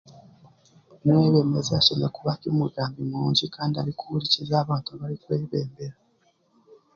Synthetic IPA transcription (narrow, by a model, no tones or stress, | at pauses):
mweːβeːmezeaʃamakuβakimuɡaːmbimuːɲɟikaːndia̰ɾikuuɾicizaːβaːntuaβaɾikwe̞ːβeːmbeɾa